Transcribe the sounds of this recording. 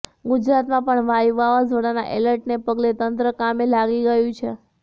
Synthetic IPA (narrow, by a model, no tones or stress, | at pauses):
ɡʊd͡ʒɾat̪mãpəɳʋajuʋaʋazəɽana̰ʔeləɾʈnepəɡlet̪ənt̪ɾəkamelaɡiɡəjũt͡ʃʰe